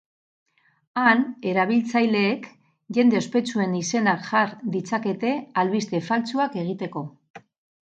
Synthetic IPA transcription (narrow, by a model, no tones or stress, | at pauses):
ane̞ɾaβ̞ilt͡sajle̞ːk | ʝe̞nd̪e̞o̞spe̞t͡sue̞nise̞nakʝaɾðit͡sake̞t̪e̞alβist̪e̞falt͡suake̞ɣ̞it̪e̞ko̞